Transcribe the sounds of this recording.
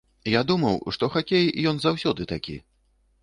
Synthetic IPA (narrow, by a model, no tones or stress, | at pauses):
jad̪umɐwʂt̪ɔxakʲejjɔnzawsʲɔd̪ɨt̪akʲḭ